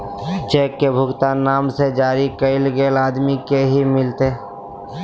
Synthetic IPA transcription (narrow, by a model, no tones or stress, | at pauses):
t͡ʃeːkːebʱʊɡt̪aːnaːmsed͡ʒaːɾikəɪlɡeːlaːd̪mikeɦimɪlt̪e